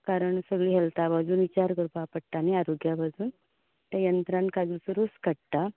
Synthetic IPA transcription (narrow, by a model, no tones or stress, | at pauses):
kaɾəɳsəɡɭiːɦɛlt̪abad͡zuːnit͡ɕaɾkəɾupapəɽʈ̪aneaɾoɡjabad͡zuːn | t̪əjənt̪ɾãnkad͡zusuɾuskəɽt̪a